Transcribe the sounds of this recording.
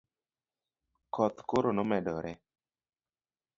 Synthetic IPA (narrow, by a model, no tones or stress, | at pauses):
kɔt̪koɾonɔmɛdɔɾɛ